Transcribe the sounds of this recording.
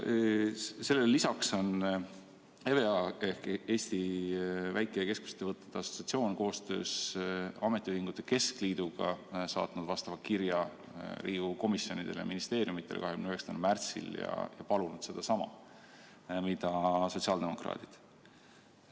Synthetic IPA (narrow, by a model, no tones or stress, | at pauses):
se̞lːelːisɑkso̞n | e̞ve̞ɑehkeːst̪ivæjkːˑeeke̞sku̥se̥t̪ːevɤt̪ːˑe̥t̪ːeɑso̞tsiɑt̪sio̞ːnko̞ːst̪ø̞ːsɑme̞t̪ːˑiyhiŋɡut̪ːˑe̞ke̞skliːd̪̥uɡ̥ɑ̰sɑ̰ːt̪nud̪vɑst̪ɑvɑkiɾjɑ | ɾʔiːuko̞misjo̞nid̪̥e̞̰ljɑ̰minist̪e̞ːɾjumit̪ˑːe̞l̰kɑɦekymnyɦeksɑ̥t̪enelmært̪sḭljɑ̰jɑ̰pɑlunud̪̥se̞d̪̥ɑsɑmɑ̰ | mid̪ɑso̞t̪siɑld̪̥e̞mo̞krɑ̰ːt̪id̪̥